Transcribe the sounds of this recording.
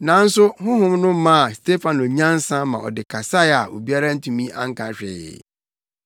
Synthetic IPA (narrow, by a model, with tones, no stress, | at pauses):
nã˨n̩˦sʊ˦ɦʊ̃˦ɦʊ̃˦mnʊ̃˦mã˦a˨stʰe˦fã˨no˨ɲã˦n̩˦sã˦mã˨ʔɔ̰˨dɪ˨kʰa˨sa˦a˨ʔo˨bi˦a˦ɾa˦n̩˦tʰũ˨mĩ˦ʔa̰˦ŋ̩˦kʰã˨ɕᶣɪ̰˨